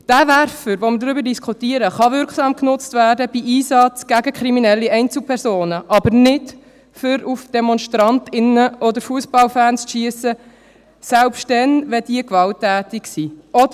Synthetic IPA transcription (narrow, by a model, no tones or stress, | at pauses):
d̥ævæɾfəɾʋoməɾdɾʏbəɾdiskʰχutiəɾəχɑvɪɾkχsɑːmknʊt͡stvæːrdəb̥iʔiːsɑt͡sɡ̥æɡəkʰɾiminɛlːiɛɪnt͡sl̚pʰɛɾsoːnəʔɑbəɾnɪt | fʏɾufd̥ɛmɔnʃtɾɑntɪnəʔɔd̪əɾfuəsb̥ɑlfæːnsʃiəsə | sælpʃttdɛnʋɛd̥iəkʋɑltːæːtɪksiʔɔdə